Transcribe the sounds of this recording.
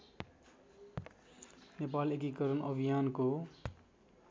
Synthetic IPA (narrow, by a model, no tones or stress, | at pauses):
nepalekikʌɾʌnʌbʱijanko